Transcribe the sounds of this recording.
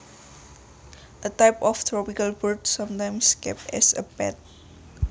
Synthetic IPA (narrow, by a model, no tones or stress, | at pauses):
ʔətaɪpɔft̪ʰɹɔpikəlbədsãmtãj̃mskɛ̰p̚tɛ̰sə̰pɛ̰t̚